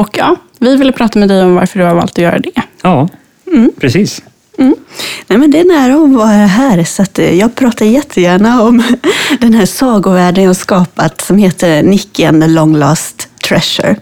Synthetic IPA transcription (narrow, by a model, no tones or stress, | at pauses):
ɔkjɑː | vɪvɪlːəpʰɾɑːt̪amɛd̪ɛjɔmva̰ɾfəɖɵhaɾvɑ̰ːlt̪ɔjœ̰ːɾa̰d̪ɛjɑː | m̩pʰɾɛsiːs | m̩nɛmɛnd̪ɛːnæːɾaɔmvɑːɾaɦæːɾsat̪jɑːɡ̚pʰɾɑːt̪ad̪jɛt̪ʰːəjæːɳaɔmd̪ɛnɦæːsɑːɡʊvæːɖənjaːhaskɑːpat̪sɔmheːt̪ʰəɾnɪkːənəlɔŋlɑːst̪ʰːɾɛʂə̰ɾ